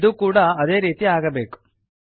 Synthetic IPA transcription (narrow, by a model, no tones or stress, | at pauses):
d̪uːkuːɽɐːd̪e̞ːɾiːt̪iaːɡɐbe̞ːku̥